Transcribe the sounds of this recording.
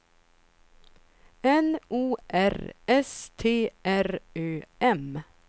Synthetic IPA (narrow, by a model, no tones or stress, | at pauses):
ɛnuːʔæɾʔɛst̪ʰeːʔæɾøːɛm